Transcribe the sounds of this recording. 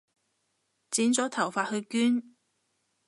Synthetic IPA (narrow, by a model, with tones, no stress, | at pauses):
t͡siː˨˥nt͡sɔː˨˥t̪ʰɐ˨˩wfaː˧t̚hɵ˧ɥkyː˥n